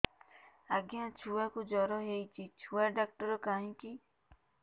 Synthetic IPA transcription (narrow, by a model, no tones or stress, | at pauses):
aɡjat͡ʃʰuakud͡ʒɔɾɔɦejt͡ʃʰit͡ʃʰuaɖak̚ʈɔɾɔkaɦĩki